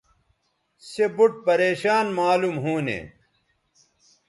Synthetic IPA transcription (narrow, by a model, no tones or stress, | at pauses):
sebuʈ̚pɐɾeːɕaːnmaːlumɦuːnḛ